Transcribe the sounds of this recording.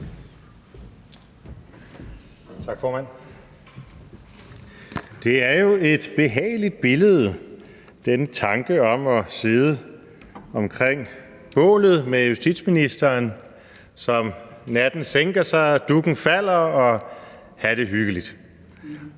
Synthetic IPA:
t͡sʰɑ̈ɡ̥fɒːmæn̰ | d̥e̝æɐjo̝e̝d̥b̥e̝ɦɛ̰ːɪlid̥̚b̥e̝ləð̞̩ˠ | d̥enət͡sʰɑ̈ŋɡ̥əɒ̽mɒ̽se̝ðˠə | ɒ̽mkʰʁeŋ̰ | b̥ɔ̰̽ːlð̞̩ˠmejusd̥id̥sminisd̥ɐːn | sɒ̽mnæd̥n̩seŋɡ̥ɐsɑ̈ɪd̥uɡ̥n̩fæl̰ɐɒ̽ | hæɾ̥e̝ɦyɡ̥əlid̥

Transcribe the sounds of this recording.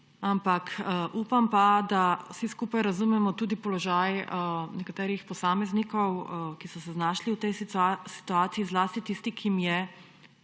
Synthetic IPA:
ampakʔuːpampad̪awsiskuːpajɾazumɛmɔt̪uːd̪ipɔlɔʒajnɛkat̪ɛːɾixpɔsaːmɛznikɔwkisɔsɛznaːʃliwt̪ɛjsi̥t̪uaːt̪siizlaːst̪it̪ist̪ikʰimjɛ

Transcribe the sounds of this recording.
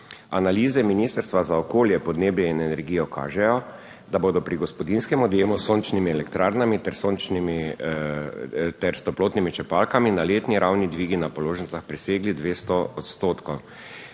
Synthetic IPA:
analiːzɛminiːst̪əɾst̪ʋazaɔkoːljɛpɔd̪neːbjɛinɛnɛɾɡiːjɔkʰa̰ːʒɛjɔ | d̪aboːd̪ɔpɾiɡɔspɔd̪inskɛmɔd̪jeːmusoːnt͡ʃnimiɛlɛkt̪ɾaɾnamit̪ɛɾsoːnt͡ʃnimi | t̪ɛɾst̪ɔploːt̪nimit͡ʃɛpalkaminaleːt̪niɾʔawnid̪ʋiːɡinapɔloːʒɛnt̪saxpɾɛseːɡlid̪ʋeːst̪ɔɔt̪st̪oːt̪kɔw

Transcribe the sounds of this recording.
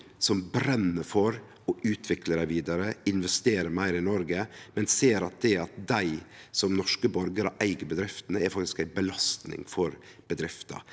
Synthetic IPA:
sɔmbɾɛnːəfɔɾ | ɔʉːt̪ʰʋɪkləɾæɪʋiːd̪ɑɾəɪnʋɛst̪eːɾəɾmæɪɾɪnɔɾɡəmɛnseːɾɑt̪̚d̪ɛɑt̪̚d̪æɪsɔmnɔʂkəbɔɾɡəɾɑʔæɪɡəbəd̪ɾɪft̪ənəɛɾfɑkt̪ɪ̥skæɪbəlɑst̪nɪ̰ŋfɔɾb̥əd̪ɾɪft̪ɑ̰

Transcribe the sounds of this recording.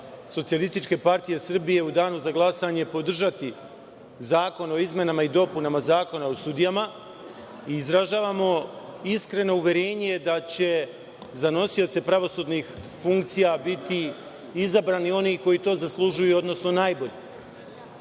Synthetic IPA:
sot̪sijalist̪it͡ʃke̞paɾt̪ije̞sr̩bije̞ud̪aːnuzaɡlˠasaɲepo̞d̪r̩ʒat̪i | zaːko̞no̞izme̞namaid̪o̞punamazaːko̞naosud̪ijama | iːzɾaʒaːʋamo̞iskɾe̞no̞uʋʲje̞ɾe̞ːɲed̪at͡ɕe̞ | zano̞sio̞t̪se̞pɾaʋo̞sud̪nixfuŋkt̪sijabit̪i | izabɾaːnio̞niːko̞jit̪o̞ːzaslˠuʒujuo̞d̪no̞sno̞naːjbo̞ʎe

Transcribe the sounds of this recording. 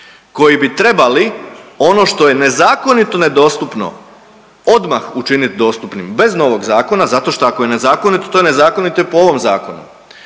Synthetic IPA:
ko̞jibit̪ɾe̞balio̞no̞ʃt̪o̞je̞ne̞zaːko̞nit̪o̞ne̞d̪o̞ːst̪upno̞̰ | o̞d̪maxut͡ʃinit̪d̪o̞ːst̪upnimbe̞zno̞ʋo̞ɡzaːko̞nazat̪o̞ʃt̪oako̞je̞ne̞zaːko̞nit̪ot̪ojene̞zaːko̞nit̪opooʋo̞mzaːko̞nṵ

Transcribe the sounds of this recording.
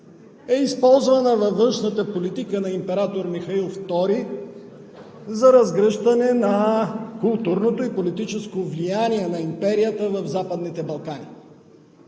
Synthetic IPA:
ɛispɔlˠzvɐnəvɐvːɤnʃnət̪əpolit̪ikənɐimpɛɾat̪oɾmixɐilˠft̪ɔɾi | zɐɾɐzɡɾəʃt̪ɐnɛnɐkulˠt̪uɾnot̪oipolit̪it͡ʃɛskovlijaniɛnɐimpɛɾijət̪əvɐvzapəd̪nit̪ɛbɐlˠkani

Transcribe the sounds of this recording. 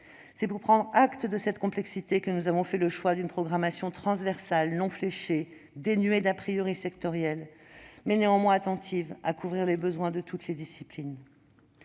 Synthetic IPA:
sɛpuʁpχɑ̃d̪ʁakt̪əd̪əsɛt̪kɔ̃plɛksit̪ekənuzavɔ̃fɛləʃwad̪ynpχɔɡʁamasjɔ̃t̪χɑ̃svɛʁsalnɔ̃fleʃe | d̪enɥed̪apχijɔʁisɛkt̪ɔʁjɛlmɛneɑ̃mwɛ̃at̪ɑ̃t̪ʰivakuvʁiʁlebəzwɛ̃d̪ət̪ut̪led̪isiplin

